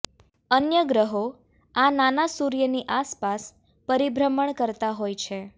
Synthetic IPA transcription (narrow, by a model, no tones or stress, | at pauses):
ənjəɡɾəɦo | ananasuɾjəniʔaspas | pəɾibɾəməɳkəɾt̪aɦojt͡ʃʰe